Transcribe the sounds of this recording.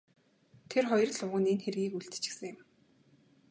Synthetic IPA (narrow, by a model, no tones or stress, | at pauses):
t̪ʰerχɔjɞ̆rɮʊwʁə̆nenxerɣiːkuɮt̪̆t͡ɕɪ̥̆xsɘ̆ŋjɪ̆m